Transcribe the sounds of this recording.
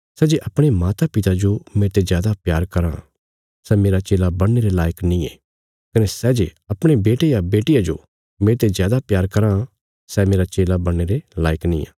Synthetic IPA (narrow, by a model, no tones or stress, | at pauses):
sɛːd͡ʒeʔɐpɽ̃emaːt̪apɪt̪ad͡ʒomẽːt̪ezjaːd̪apjaːɾkɐɾã | sɛmeːɾat͡ʃeːlabɐɽːeɾelaːjəknĩḛ | kɐnɛsɛːd͡ʒeɐpɽ̃ebeːʈejabeːʈɪjad͡ʒo̰ | mẽːt̪ezjaːd̪apjaːɾkɐɾã | sɛmeːɾat͡ʃeːlabɐɽ̃ːeɾelaːjəknḭ̃a̰ː